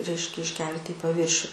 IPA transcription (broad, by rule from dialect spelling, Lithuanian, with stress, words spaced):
ˈrʲɛɪʃʲkʲɛ ɪʃʲˈkʲɛlʲtʲɪ iː pɐˈʋʲiːrʲʃʲʊ